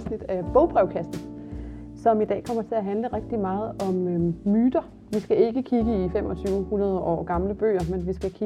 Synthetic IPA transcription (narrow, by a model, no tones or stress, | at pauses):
snid̥æɐb̥ɔ̽ʊb̥ʁɛʊkʰæsd̥n̩ | sɒ̽mid̥ɛ̰ːkʰɒ̽m̰ɐt͡sʰe̝læɦænləʁɛɡ̥̚d̥imɑ̈ːð̞̩ˠɒ̽mːyːd̥ɐ | ʋisɡ̥æe̝ɡ̥əkʰiɡ̥əifem̰ɒ̽t͡sʰyːʊhunɐð̞ˠəʔɒ̰ːɡ̥ɑ̈mləb̥ø̰ːɐmenʋisɡ̥ækʰi